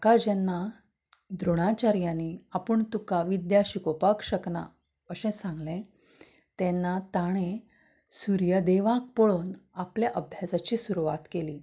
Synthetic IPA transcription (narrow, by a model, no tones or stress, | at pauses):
kad͡ʑanːa | d̪ɾoɽ̃at͡ɕaɾjãniapəɳt̪ukaʋid̪jaɕikopakɕəkna̰ | əsɛ̃sãŋɡlẽ | t̪ɛnːat̪aɽ̃ẽ | suɾjəd̪eʋãk̚pɔɭuːnapljaʔəbʱjasat͡ɕiːsuɾuʋat̪keliː